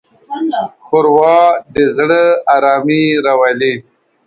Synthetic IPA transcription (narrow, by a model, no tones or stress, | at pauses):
xʊɾwɑd̪əzɽəaɾɑmiɾawali